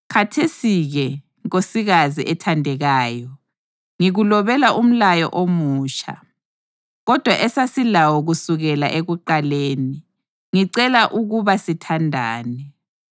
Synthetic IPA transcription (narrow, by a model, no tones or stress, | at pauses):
kʰatʰesiɣɛ | osiɣaziʔɛtʰandʱɛɣaːjɔ | ŋiɣulɔβɛlaʔum̩lajɔ̰ʔomuːt͡ʃʰa̰ | ɣɔd̥ʱwaʔɛsasilawɔɣusuɣɛlaʔeɣuǃaleːni | ŋiǀɛlaʔuɣuβasitʰandʱa̰ːnɛ